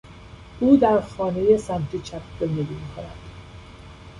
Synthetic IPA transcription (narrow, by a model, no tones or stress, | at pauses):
ʔuːd̪æɾxɒːne̞je̞sænt̪ʰit͡ʃʰæpzond̪eɾimiːkʰo̞næd̪̥